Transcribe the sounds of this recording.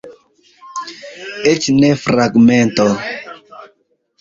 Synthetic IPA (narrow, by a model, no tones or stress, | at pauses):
et͡ʃnɛfɾaɡmɛnt̪ɔ